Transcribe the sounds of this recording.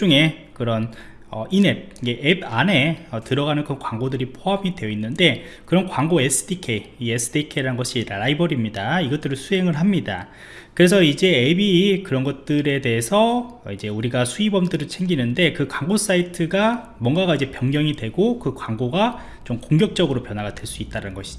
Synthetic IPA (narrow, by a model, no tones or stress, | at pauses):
t͡ɕ͈uŋe̞kɯɾʌn | ʌ̰ine̞p̚d͡ʑeʔebane̞ʌtɯɾʌɡanɯnkɯɾʌnkwaŋɡodɯɾipʰoɦamidweʌinːɯnde̞kɯɾʌnkwaŋɡoe̞sʰɯ̥dʰikʰeiesʰɯ̥dʰikʰeɾaɯnɡʌɕʰiɾaibʌɾimɲidaiɡʌt͈ɯɾɯɭsʰuɦe̞ŋɯɭɦamɲida̰ | kɯɾe̞sʰʌid͡ʑe̞ebikɯɾʌnɡʌt̚t͈ɯɾe̞de̞ɦesʰʌid͡ʑe̞uɾiɡasʰuibʌmdɯɾɯɭt͡ɕʰe̞ŋɡinɯnde̞kɯkwaŋɡos͈aitʰɯɡa | mwʌŋɡaɡaid͡ʑe̞pjʌŋɲjʌŋidwe̞ɡokɯkwaŋɡoɡa | t͡ɕomkoŋɡjʌk̚t͡ɕ͈ʌɡɯɾopjʌnwaɡadwe̞ɭs͈uit̚t͈aɾanɯnɡʌɕʰi̥d͡ʑo